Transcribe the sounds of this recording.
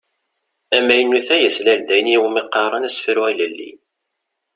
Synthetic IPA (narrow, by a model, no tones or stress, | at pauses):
æmːæjənːuθæjəslæld̪æjnjiwmiqːɑɾˤɑnæsfiɾuʁæləlːḭ